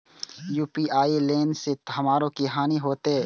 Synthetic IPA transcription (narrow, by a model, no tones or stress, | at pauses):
juːpiaːileːnset̪ɦɐmaːɾõkiɦaːniɦoːt̪eː